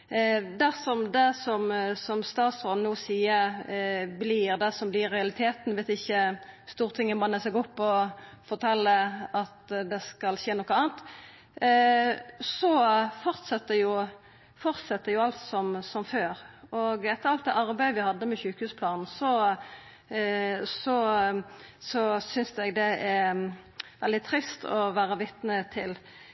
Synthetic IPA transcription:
d̪æʁsɔmd̪ɛsɔmsɔmst̪ɑːt̪sʁɔnuːsiːəɾblɪɾd̪ɛsɔmblɪɾɛɑlɪt̪ʰeːt̪n̩ʋɛt̪ɪçːəst̪uːʁt̪ʰɪŋːəbɑnəsɛɡɔpːɔ | fɔɾt̪ʰɛlːəɑt̪d̪ɛskɑlʃeːnɔkːəɑːnt̪ | sɔfɔʁt̪sɑt̪ːəjʊ | fɔʁt̪sɛt̪ːəjʊɑlt̪sɔmsɔmføːɾɔɡɛt̪ːəɾɑlt̪̚d̪eːʔɑɾbæɪʋɪhɑd̪ːəmɛçʉːkhʉːspʰlɑːnn̩sɔ | sɔ | sɔsʏnsɛɡd̪ɛʔæ | ʋɛld̪ɪt̪ʰɾɪst̪ʰɔʋæːɾəʋɪt̪nət̪ʰɪl

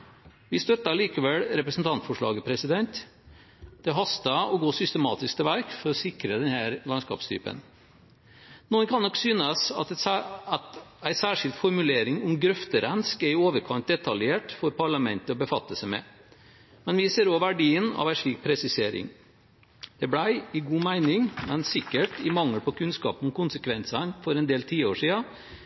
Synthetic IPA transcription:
ʋɪst̪œt̪ːɑɭiːkəʋɛlɾɛpɾəsn̩t̪ʰɑnt̪fɔʂɭɑ̰ːɡəpʰɾɛsɪd̪ɛnt̪ | d̪̥ɛɦɑst̪ɑɔɡoːsʏst̪əmɑ̰ːt̪ɪsk̚t̪ʰɪʋæɾkfɔɾɔsɪkɾəd̪ɛnhæːɾlɑnskɑ̰ːpst̪ʰy̰ːpə̰n | nuːənkʰɑnːɔksyːnəsɑt̪t̪æɪsæːʂɪlt̪fɔɾmʉleːɾɪŋʊmɡɾœft̪əɾɛnskɛɪoːʋəɾkʰɑnt̪̚d̪ɛt̪ʰɑljeːʈfɔɾpɑɭɑmɛnt̪əɔbəfɑt̪ːəsəmɛ̰ | mɛnʋɪseːɾoːʋæɖiːənɑ̰ʋæɪʂɭiːk̚pʰɾɛsɪseːɾɪ̰ŋ | d̪̥ɛblæɪɪɡuːmæɪnɪŋmɛnsɪkːəʈɪmɑŋːəlpʰɔkʰʉnskɑ̰ːpənʊmkʊnsəkʰʋɛnsɑnfɔɾɛnd̪eːlt̪ʰiːoːʂiːɑ

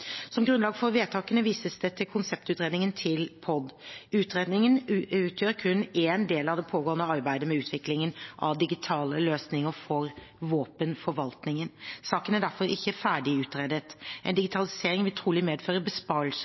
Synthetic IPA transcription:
sɔmɡɾʉnlɑːɡəfɔɾʋeːt̪ʰɑːkənəʋiːsəsd̪ɛt̪ʰɪlkʰʊnsɛp̚t̪ʉːt̪ɾeːd̪nɪŋənt̪ʰɪlpʰɔd̪ʉːt̪ɾeːd̪nɪŋənʉːt̪ʰjøːɾkʰʉnːeːnd̪eːlɑʋd̪ɛpʰoːɡoːənəɑɾbæɪd̪əmɛʉːt̪ʰʋɪklɪŋənʔɑ̰ʋd̪ɪɡɪt̪ʰɑːləløːsnɪŋəɾfɔɾ | ʋoːpənfɔɾʋɑlt̪nɪŋənsɑːkənæɖæɾfɔɾɪçːəfæːɖɪʉːt̪ɾeːd̪ət̪ʔɛ̰ɪnd̪ɪɡɪt̪ʰɑlɪseːɾɪŋʋɪlt̪ʰɾuːlɪmeːd̪føːɾəbəspɑɾls

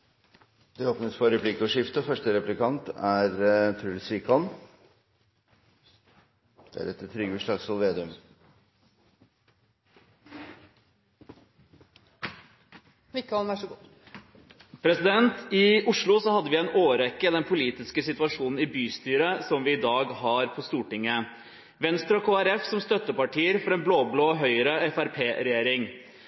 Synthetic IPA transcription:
d̪̥ɛoːpnəspʰɔɾɛpʰlɪkːʊʂɪft̪əfœʂʈəɾɛplɪkʰɑnt̪æɾt̪ʰɾʉlsʋikɔn | d̪̥ɛæ̰ɾɛt̪t̪ʰːɾʏɡəʂlɑɡsɔlʋeːd̪ɪʉm | mɪkːɔlʋæʂɔɡu | pʰɾɛsɪd̪ɛnt̪ɪʊʂɭʊsɔhɑd̪ːəʋɪɛɪnoːɾɛkːəd̪ɛnpʰʊliːt̪ɪskəsɪt̪ʋɑʂuːnn̩ɪbyːst̪yːɾəsɔmʋɪɪd̪ɑːɡhɑɾpʰɔst̪uːʈɪŋːə | ʋɛnst̪ɾɔkʰoːæɾɛfsɔmst̪œt̪ːəpɑʈʰiːəɾfɔɾɛːnbloːbloːɦœʏəɾəɛfæɾpʰeːɾɛjeːɾɪŋ

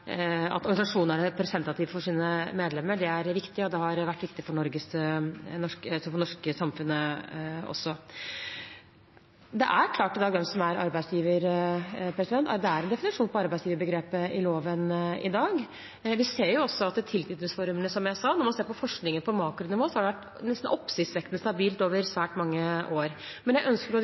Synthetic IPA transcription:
ɑ̰t̪ɔɾɡɑnsɑʂuːnæɾpʰɾɛsɛnt̪ɑt̪ʰɪːʋfɔʂiːnəmeːd̪lɛmːəɖɛæɾʋɪkt̪ɪəɔd̪ɛɦɑɾʋæʈːʋɪkt̪ɪfɔɳɔɾɡəsnɔʂkəsɔfɔɳɔʂkəsɑmfʉnːəɔ̰sːɔ | d̪ɛʔæɾkʰlɑːʈɪd̪ɑːɡd̪ɛmsɔmæɾɑ̰ɾbæɪsjiːʋəɾpʰɾɛsɪd̪ɛnt̪æd̪ɛæɾɛnd̪ɛfɪnɪʂuːnpʰɔɑɾbæɪsjiːʋəɾbəɡɾeːpəɪloːʋənɪ̰d̪ɑːɡ | ʋɪseːɾjʊɔsːɔɑt̪d̪ɛt̪ʰɪlt̪ʰyːd̪nəsfɔɾmənəsɔmjæɪsɑnɔɾmɑnseːɾpɔfɔʂknɪŋənpʰɔmɑːkɾʊnɪʋoːsɔhɑɖɛʋæʈː | nɛst̪n̩ʔɔpːsɪsʋɛkt̪nst̪ɑbiːlt̪oːʋəɾsʋæːʈmɑŋːəʔoːɾmɛnjæɪʔœnskəɾɔ

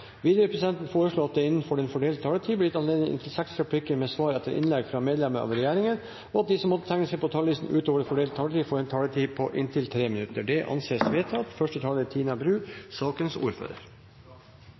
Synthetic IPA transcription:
ʋiːd̪əʊpʰɾɛsɪd̪ɛnt̪nfoːɾəʂɭoːɑt̪̚d̪ɛɪnːən̩fɔɖɛnfɔɖeːl̚t̪ʰɑːlət̪ʰiːblɪt̪ɑnleːd̪nɪɪ̰nt̪ʰɪlsæksɾɑpʰlɪkːəɾmeːsʋɑːɾɛt̪ːəɾʔɪ̰nlɛɡfɾɑmeːd̪lɛməɑ̰ːʋɾɛjæːɾɪŋən | ɔɑt̪̚d̪ɪːsɔmːɔt̪ːət̪ʰæŋːəsɛɪpʰɔt̪ʰɑlʋiːsn̩ʉ̰ːt̪oːʋəɾfɔɖeːlt̪t̪ʰɑːlət̪iːfɔɾɛnt̪ʰɑːlət̪ʰiːpʰɔʔɪnt̪ʰɪlt̪ʰɾeːmɪnʉt̪əɖɛʔɑ̰nseːsʋeːt̪ʰɑt̪fœʂʈət̪ʰɑːlət̪ʰiːnɑbɾʉːsɑːkənsṵːɾfø̰ːɾə̰ɾ

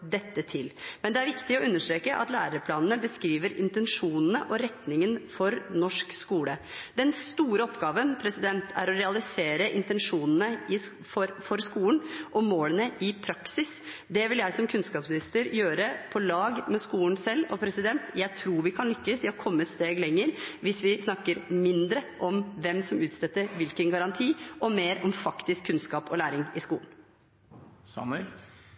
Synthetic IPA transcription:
d̪ɛt̪ːət̪ʰɪlmɛnd̪ɛæɾʋɪkt̪ɪɔʉnːəʂʈɾeːkəʔɑ̰t̪læːɾəpʰlɑːnnəbəskɾiːʋəɾɪ̰nt̪ɛnʂuːnənəʔɔɾɛt̪nɪŋənfɔɾnɔʂkskuːləd̪ɛnst̪uːɾəɔpɡɑːʋənpʰɾɛsɪd̪ɛnt̪ʰæ̰ɾɔɾɛɑlɪseːɾəʔɪnt̪ɛnʂuːnnəɪ | fɔɾfɔɾskuːlnʔɔmmoːlənəɪpʰɾɑksɪs | d̪ɛʋɪljæɪsɔmkʰʉnskɑːpsnɪst̪əɾjøːɾəpʰɔlɑːɡmɛskuːnsɛlːɔpʰɾɛsɪd̪ɛnt̪jæɪt̪ʰɾuːɾʋɪkʰɑnlʏkːəsʋɪhɑɾkʰɔmːət̪st̪eːɡlɛŋːəɾʋɪsʋɪsnɑkːəɾmɪnd̪ɾəʔɔmʋɛmsɔmʉːt̪sɛt̪ːəɾʋɪlkənɡɑɾɑnt̪ʰiːʔɔmeːɾɔmfɑkt̪ɪskʰːʉnskɑːpɔlæːɾɪŋɪskṵːlən | sɑ̰mʉɛl

